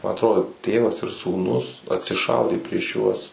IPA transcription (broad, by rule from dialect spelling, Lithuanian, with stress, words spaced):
mɐ ɐtˈroːdoː ˈtʲeːʋɐs ɪr suːˈnʊs ɐtʲsʲɪˈʃɐʊdʲeː pʲrʲiɛʃ ˈjuɔs